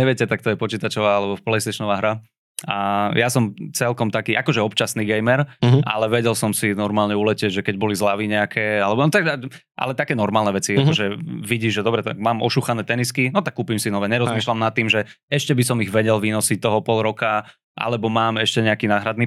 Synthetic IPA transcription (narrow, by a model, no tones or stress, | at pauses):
ɲɛʋɪɛcɛt̪ak̚t̪ɔjɛpɔt͡ʃiːt̪at͡ʃɔʋaːalɛbɔfplɛjst̪ɛʃɔnɔʋaːɦɾa | ajasɔmt͡sɛlkɔmt̪akiːʔakɔʒɛɔpt͡ʃasniːɡɛjmɛɾa̰lɛʋɛɟɛlsɔmsinɔɾmaːlɲɛulɛcɛɟʒɛkɛɟbɔlizlaʋiːɲɛakʰɛalɛbɔnɔt̪aɡa | ʔa̰lɛt̪akɛːnɔɾmaːlnɛʋɛt͡siakɔʒɛʋiɟiːʒʒɛd̪ɔbɾɛt̪a̰kmaːmɔ̰ʃuxanɛːt̪ɛniskinɔt̪akːuːpimsinɔʋɛːɲɛɾɔzmiːʃlamnat̪ːiːmʒɛɛʃcɛbisɔmiɣʋɛɟɛlʋiːnɔsic̚t̪ɔɦɔpɔlˠɾɔka | ʔa̰lɛbɔmaːmɛʃcɛɲɛakiːnaːɦɾad̪ni